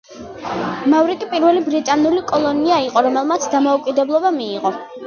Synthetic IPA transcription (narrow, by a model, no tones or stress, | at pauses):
mavɾikʼipʼiɾvɛlibɾit̪ʼanulikʼɔlˠɔniaiqʼɔɾɔmɛlˠmat̪sʰd̪amɔukʼid̪ɛblˠɔbamiːqʼɔ